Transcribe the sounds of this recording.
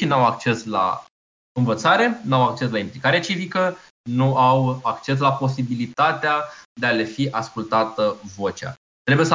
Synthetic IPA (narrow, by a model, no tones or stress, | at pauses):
inuawakt͡ʃe̞sla̰ | ɨnvət̪saɾe̞nuawak̚t͡ʃe̞slaimplikaɾeat͡ʃivikə | nuawakt͡ʃe̞s̬lapo̞sibilit̪at̪ead̪e̞ale̞fiʔaskult̪at̪əvo̞t͡ʃa̰ | t̪ɾe̞bujes